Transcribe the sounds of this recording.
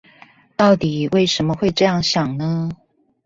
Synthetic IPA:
t̪ɑ˥˩ʊt̪i˨˩we˥˩ɪʂə˧˥nmə˧xwe˥˧ɪʈ͡ʂɤ˥˧jɑ˥˩ŋɕjɑ˨˩ŋnə˦

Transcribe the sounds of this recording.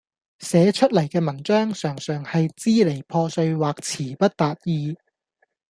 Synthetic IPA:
sɛː˨˥t͡ʃʰɵ˥t̚lɐ˨˩jkɛː˧mɐ˨˩nt͡ʃœː˥ŋsœː˨˩ŋsœː˨˩ŋhɐ˨jt͡siː˥le˨˩jpʰɔː˧sɵ˧ɥwaː˨k̚t͡sʰiː˨˩pɐ˥t̚t̪aː˨t̚jiː˧

